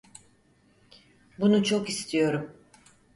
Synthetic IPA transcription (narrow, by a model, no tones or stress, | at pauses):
bunut͡ʃʰo̞kist̪ʰijo̞ɾum